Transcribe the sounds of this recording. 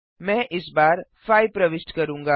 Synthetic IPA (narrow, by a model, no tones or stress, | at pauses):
mɛ̃ːʔɪsbaːɾfaːjpɾɐʋɪsʈkɐɾũːŋɡaː